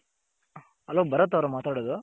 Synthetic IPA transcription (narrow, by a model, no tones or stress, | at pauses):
ɐlobɐɾɐt̪ːɐʋɾɐmaːt̪aːɽod̪u